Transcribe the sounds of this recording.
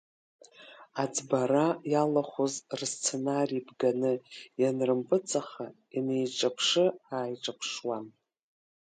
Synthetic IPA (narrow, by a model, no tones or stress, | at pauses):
ad͡zbaɾajalaχʷozrst͡sʰe̞narijbɡanɨjanrɨmpʼɨt͡sʼaχa | inejʈ͡ʂʼapʰʂɨaːjʈ͡ʂʼapʰʂwan